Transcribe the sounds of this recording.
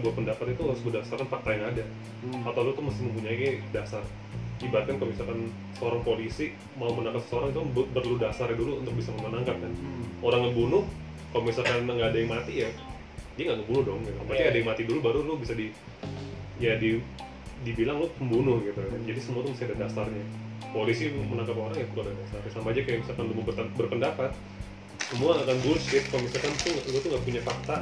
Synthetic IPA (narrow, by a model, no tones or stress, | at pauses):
buat̪̚pəndapat̪it̪uaʊsbdasarkanpər̚t̪ajaŋada | at̪awlot̪uməstɪhməmpuɲaikadasar | ibat̪kankəmisakan | səoɾaŋpolisi | maumənaŋkat̪sə̥səoɾaŋit̪ukabbərludasaradulṵːnt̪ʊk̚bisaməmənaŋkat̪̚kanoɾaŋɡəbunʊh | kaloməmisalkanŋɡaːdajaŋmat̪ija | diaŋɡaʔŋəbunʊhdɔŋɡabat̪iadajaŋmat̪idulubaɾulubisadi | jadi | dibilaŋlopəmbunʊhɡɛbəɾaad͡ʒadisəmuat̪umisaadadasarɲapolisimənaŋkapoɾaŋjapəɾuadahdasarsampad͡ʒakajabisakanlumuəbərpəndapat̪̚ | səmuaːkandulsɪt̪̚kamisarkant̪ualut̪uŋɡaʔpuɲafak̚t̪a